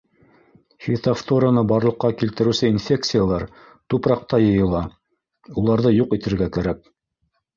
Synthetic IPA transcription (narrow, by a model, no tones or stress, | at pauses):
fit̪aft̪oɾonɤbɑɾlˠɤ̆qːɑkilt̪ɘ̆ɾɘ̆sɘinfʲe̞k̚t̪sɨjalˠɑɾ | t̪upɾɑq̚t̪ɑjɤ̆jɤ̆lˠɑ | ulˠɑɾðɤjuqit̪ɘ̆ɾɡækæɾæk̚